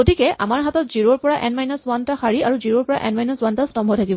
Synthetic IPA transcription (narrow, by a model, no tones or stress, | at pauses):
ɡotikɛa̰maɹɦatɔtziɹoɹpɔɹaʔɛnmajnɔswantaxaɹiaɹuziɹoɹpɔɹa̰ʔɛ̰nmajnɔswantastɔmbʱɔjtʰakibɔ